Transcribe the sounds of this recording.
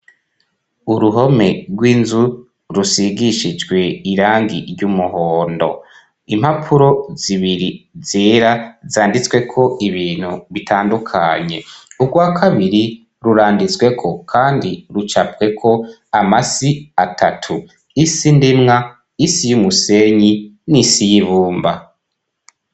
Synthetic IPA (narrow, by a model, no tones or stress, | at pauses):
uɾuɦo̞me̞ɾɡwiːnzu | ɾusiɡiʃid͡ʒɡwe̞iɾaːŋɡiɾɟumuhoːndo̞̰ | imhapʰuɾo̞ziβiɾizeːɾazaːndit͡swe̞kʰo̞ʔiβiːn̥huβitʰaːndukʰa̰ɲe̞ubɡwaːkʰaβiɾi | ɾuɾaːndizwe̞kʰo̞kʰaːndiɾut͡ʃapɡe̞kʰo̞ | amasiatʰatʰu | isindimŋa | isijumuse̞ɲinisijiβuːmba